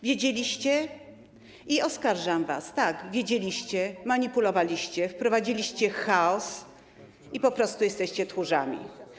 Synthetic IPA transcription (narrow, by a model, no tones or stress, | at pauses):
vʲjed͡ʑelʲiɕt͡ɕɛ | iɔskaɾʐamva̰st̪aɡvʲjed͡ʑelʲiɕt͡ɕɛmaɲipulɔvalʲiɕt͡ɕɛfpɾɔvad͡ʑilʲiɕt͡ɕɛxaɔs | ipɔpɾɔst̪ujɛst̪ɛɕt͡ɕɛt̪xuʐa̰mʲḭ